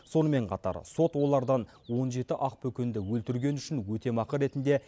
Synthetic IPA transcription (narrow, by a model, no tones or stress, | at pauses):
so̞nəme̞ɴqʰɑt̪ɑ̰ɾso̞t̪wo̞lˠɑɾd̪ɑn | wo̞nʒe̞t̪ɪʔɑq̚pʰɵkʲe̞nd̪ɪwɵlt̪ɪɾɡʲe̞nʏʃɪnwɵt̪e̞mɑqəɾe̞t̪ɪnd̪e̞